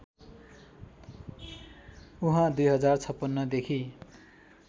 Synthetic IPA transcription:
uɦãd̪ujɦʌd͡zart͡sʰʌpːʌnːʌd̪ekʰi

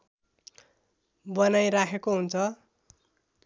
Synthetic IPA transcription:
bʌnajɾakʰekoɦunt͡sʰʌ

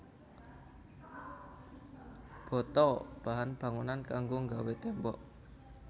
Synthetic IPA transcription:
b̥ɔ̤t̪ɔb̥a̤ɦanb̥a̤ŋunankaŋɡoŋɡawet̪ɛmbɔ̰ʔ

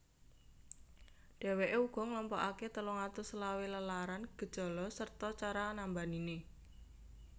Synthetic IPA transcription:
d̥ɛ̤weʔeuɡ̥ɔ̤ŋlɔmpɔʔaket̪əlɔŋat̪ʊslaweləlaɾanɡ̥ə̤d̥ʒ̥ɔ̤lɔsərt̪ɔt͡ʃaɾanambanine

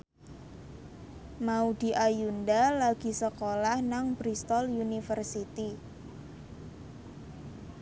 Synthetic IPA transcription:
maud̪̥i̤ʔajundalaɡ̥i̤səkolahnaŋpɾist̪ɔlunifərsit̪i

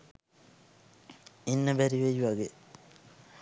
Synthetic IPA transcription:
inːəbæɾiʋejuʋaɡe

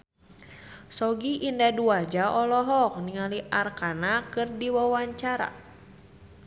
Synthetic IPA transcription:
sɔɡiʔindaduad͡ʒaʔɔlɔɦɔk̚niŋaliʔarkanakɨrdiwawaɲt͡ʃaɾa̰

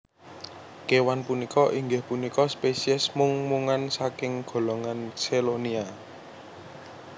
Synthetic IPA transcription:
kewanpunikɔʔiŋɡɪhpunikɔspesiɛsmuŋmuŋansakɪŋɡ̥o̤lɔŋanselonia

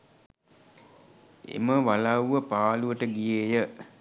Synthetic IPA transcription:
ḛməʋalawuʋəpaːluʋəʈəɡijeːjə

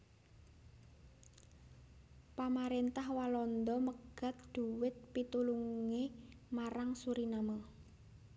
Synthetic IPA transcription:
pamaɾent̪ahwalɔnd̪ɔməɡ̥a̤t̪̚d̪̥ṳwɪt̪̚pit̪uluŋemaɾaŋsuɾinama

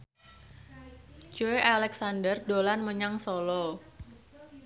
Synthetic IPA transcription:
d͡ʒ̥oeʔalɛksandərdolanməɲaŋsɔlɔ

